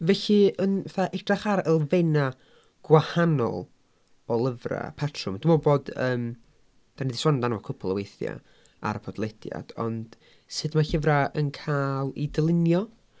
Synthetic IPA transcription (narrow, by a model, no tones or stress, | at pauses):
vɛɬiənaθaʔɛɡd̥raχaɾəlˠvena | ɡ̥wahanɔ̰lˠ | ɔlˠəvra̰pʰatʰrʊmd̥umɔboːdəːm | d̥anidiswɔndanvakʰʊpʰʊlˠəwejθja̰ | a̰ɾəpʰɔdlˠɛd̥ja̰d̥ɔ̰nd̥ | sɨdmaɬəvraʔənkʰaːlˠidəlˠɪnjɔ